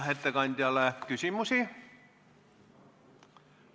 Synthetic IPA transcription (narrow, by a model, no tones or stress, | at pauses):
het̪ːækɑnʲt̪ʲjɑlækysimːosiːˑ